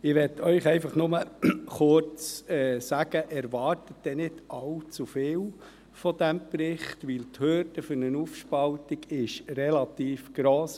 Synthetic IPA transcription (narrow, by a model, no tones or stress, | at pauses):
ɪʋɛtʰœʏχɛɪfɑχnʊməχʊɾt͡sɛːsæɡ̥əʔɛɾʋɑɾtətd̥̪ɛnɪdʔɑlt͡sufɪːl | fɔd̥̪æmpɾɪχtʋilt̪høɾdəføɾnənufʃpɑltiɡɪʃrɛlɑt̪iːfɡ̥ɾoːs